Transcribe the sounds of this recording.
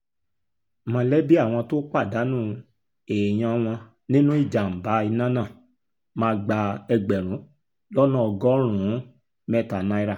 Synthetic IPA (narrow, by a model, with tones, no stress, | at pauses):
mã˧˦lɛ˦bi˦a˦˨w̃ɔ̃˧to˦k͡pa˦˨da˨˦nũ˦˨ | eː˨j̃ã˧w̃ɔ̃˧ | nĩ˦nũ˦i˦˨d͡ʒa˨m̩˨ba˨˦i˧nã˦nã˦˨ | mãː˧ɡ͡ba˧ɛ˧ɡ͡bɛ˨ɾ̃ũ˨˦ | lɔ˦nɔ̃˦˨ɔ˧ɡɔ˦ɾ̃ũ˨˦ | mɛ˦˨ta˨nã˧i˧ɾa˦˨